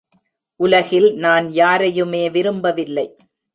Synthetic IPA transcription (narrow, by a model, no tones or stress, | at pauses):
ʔʊlɐɣɪlnaːnjaːɾɐjɯmeːʋɪɾɯmbɐʋɪlːɐɪ